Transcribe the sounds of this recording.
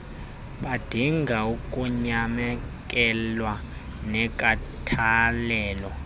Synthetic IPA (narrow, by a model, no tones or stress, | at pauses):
ɓad̥ʱiŋɡʱaukʼuɲamɛk̬ʼɛlwanɛkʼatʰalɛːlɔ